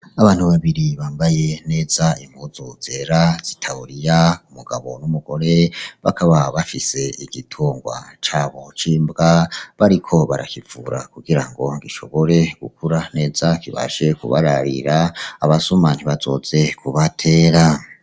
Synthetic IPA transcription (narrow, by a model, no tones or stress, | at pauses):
aβaːn̥huβaβiɾiβaːmbaje̞ne̞ːzaim̥uzuze̞ɾaz̥itʰauɾijaumuɡaβonumuɡ̥o̞ɾe̞βa̰kaβaβafise̞iɡitʰoːŋɡwa̰t͡ʃaːβo̞t͡ʃiːmbɡaβaɾikʰo̞βaɾa̰kivuɾakuɡiɾaŋɡo̞ŋɡiʃo̞̰βo̞ɾe̞ɡ̥ukuɾane̞ːzakiβa̰ʃe̞kuβa̰ɾaɾiɾaːβasumanhiβazo̰ze̞kʰuβatʰe̞ːɾa